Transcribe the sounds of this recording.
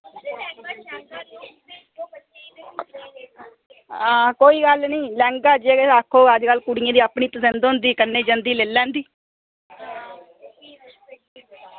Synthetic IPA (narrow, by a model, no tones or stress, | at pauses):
ãːkoːiːɡəlnĩːlɛ̃ːŋɡaːd͡ʒeːɡeakʰːoːəd͡ʒkəlkʊɽɪjãːd̪iːəpɳiːt̪əsə̃nd̪ɦʊ̃nd̪iːkənːeːd͡ʒənd̪iːleːlːɛ̃ːnd̪iː